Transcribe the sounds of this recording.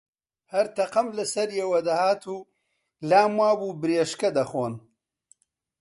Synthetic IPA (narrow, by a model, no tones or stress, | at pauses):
hɐɾt̪ɐqɐmlɐsɐɾjeːwɐd̪ɐhaːt̪ʰuː | laːmwaːbuːbɨɾeːʃkɐd̪ɐχoːn